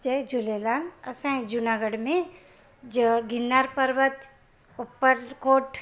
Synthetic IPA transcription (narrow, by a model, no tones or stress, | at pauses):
d͡ʒed͡ʒulelanɐsãĩd͡ʒunaɡəɽmẽ | d͡ʒɡʱɪnːaɾpəɾʋət̪ | upːəɾkoːʈ